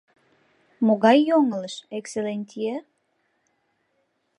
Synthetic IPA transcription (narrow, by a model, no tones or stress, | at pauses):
moɣɑjːoŋələʃekselenʲt̪ʲije